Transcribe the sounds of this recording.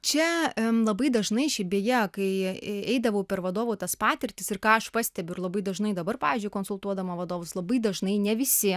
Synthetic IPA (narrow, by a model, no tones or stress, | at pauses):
t͡ʃʲɛlˠɐbɐɪd̪ɐʒnɐɪʃʲɪbʲeːjɛkɐɪɛɪd̪ɐʋɐʊpʲɛrʋɐd̪oːʋoːt̪ɐspɑːt̪ʲɪɾʲt̪ʲɪsɪrkɑːɐʃpɑsʲt̪ʲɛbʲʊɪɾlˠɐbɐɪd̪ɐʒnɐɪd̪ɐbɐrpɑːʋʲiːzʲd͡ʒʲʊɪkoːnsʊlˠt̪uɔd̪ɐmɐʋɐd̪oːʋʊslˠɐbɐɪd̪ɐʒnɐɪnʲɛʋʲɪsʲɪ